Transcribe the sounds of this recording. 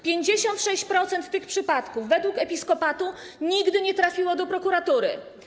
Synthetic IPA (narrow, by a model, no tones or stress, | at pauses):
pʲjeɲd͡ʑeɕɔnt̪ʂɛɕt͡ɕpɾɔt̪sɛnt̪ːɘxpʂɘpat̪kuvːɛd̪wukɛpʲiskɔpat̪u | ɲiɡd̪ɘɲɛt̪ɾafʲiwɔd̪ɔpɾɔkuɾat̪uɾɘ̰